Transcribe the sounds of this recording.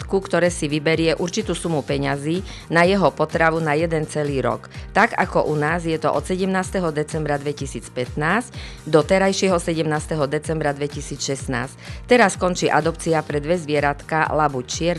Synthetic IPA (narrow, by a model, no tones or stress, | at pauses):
t̪kukt̪ɔɾɛːsiʋibɛɾɪɛʔuɾt͡ʃit̪uːsumupɛɲaziː | najɛɦɔpɔt̪ɾaʋunajɛd̪ɛnt͡sɛliːɾɔ̰kt̪aɡa̰kɔʔunaːzjɛt̪ɔʔɔt̪sɛɟɛmnaːst̪ɛɦɔd̪ɛt͡sɛmbɾad̪ʋɛcisiːt͡spɛt̪naːscd̪ɔt̪ɛɾajʃɪɛɦɔsɛɟɛmnaːst̪ɛɦɔd̪ɛt͡sɛmbɾad̪ʋɛcisiːt͡sʃɛsna̰ːsct̪ɛɾaskɔnt͡ʃiːʔad̪ɔp̚t͡siapɾɛd̪ʋɛzʋɪɛɾat̪kalabut͡ʃɪɛɾ